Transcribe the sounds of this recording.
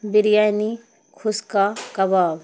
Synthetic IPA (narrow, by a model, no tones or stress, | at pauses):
bɪɾjaːjni | kʰʊskakɐbaːw